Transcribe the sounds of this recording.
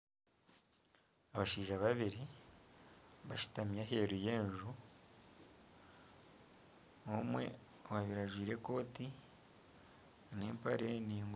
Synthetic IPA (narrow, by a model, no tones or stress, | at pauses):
aβaʃiːʒaβaβiɾi | βaʃu̥tamjaɦe̞ːɾuje̞ːɲʒu | omwe̞̰ | waβiɾaʒwiːɾe̞ko̞ːti | neːmpaɾe̞niːŋɡ